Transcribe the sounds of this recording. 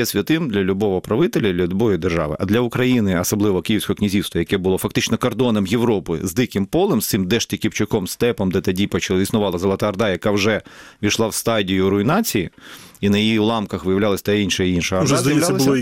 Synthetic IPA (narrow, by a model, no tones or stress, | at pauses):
jɛsʲʋʲɐt̪ɪmd̪lʲɐlʲubɔʋɔpɾɐʋɪt̪elʲɐlʲɐlʲubɔjid̪erʒɑ̰ʋɪ̰ʔɐd̪lʲɐʊkɾɐjinɪɐsɐblˠɪʋɔkijiwsʲkɔɔknʲizʲiwst̪ʋɐjɐkɛbʊlˠɔfɐk̚t̪ɪt͡ʃnɔkɐrd̪ɔnɐmjeʋɾɔpɪ̰zd̪ɪkɪmpɔlˠɛmst̪ɪmd̪ɛʃt̪ʲikʲipt͡ʃʊkɔmst̪ɛpɐmd̪ɛt̪ɐdʲipɔt͡ʃɐisnʊʋɑlˠɐzɐlˠɐt̪ɐɐrd̪ɑjɐkɑwʒɛʋʲiʃlˠɑwst̪ɑdʲijʊɾʊinɑt͡sʲijiinɐjijiwlˠɑmkɐxʋɪjɐʋlʲalˠɐsʲɐ̥t̪ainʃɐinʃɐɐrdʒɛɐjɐlalɐsʲ